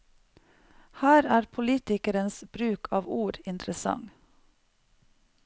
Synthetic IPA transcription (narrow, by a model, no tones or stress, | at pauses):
hæːɾæːɾpʰʊliːt̪ɪkəɾənsb̥ɾʉːkʰɑːʋuːɾɪnt̪ʰɾəsɑ̰ŋ